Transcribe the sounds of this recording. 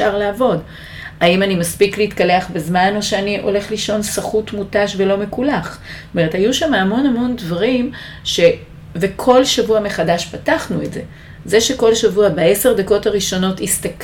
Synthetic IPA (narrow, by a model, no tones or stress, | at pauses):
aʁlaːvo̞d | aimanimaspikliitkaleaχbezmano̞ʃeaniʔo̞̰le̞χliʃo̞nsaχutmutaʃve̞lo̞me̞kulaχ | ome̞ethajuʃamaːmo̞namo̞ndvaʁim | ʃe̞ | vekʰo̞lʃavuame̞χadaʃpataχnuetze | ze̞ʃe̞ko̞lʃavuabae̞se̞ʁd̪ako̞taʁiʃo̞no̞tistak